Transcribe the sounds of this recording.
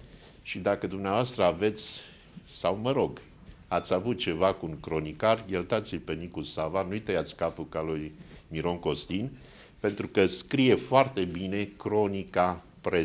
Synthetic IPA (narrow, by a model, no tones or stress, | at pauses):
ʃid̪akəd̪umneavoast̪ɾəave̞t̪sʲ | sawməɾo̞ɡ | at̪sʲavut̪̚t͡ʃe̞vakuːŋkɾo̞nikarjelt̪at̪silpenikusavanujt̪ejat̪sʲkapukalujmiɾo̞ŋko̞st̪in | pe̞nt̪ɾukəskɾije̞foart̪e̞bine̞kɾo̞nika | pɾe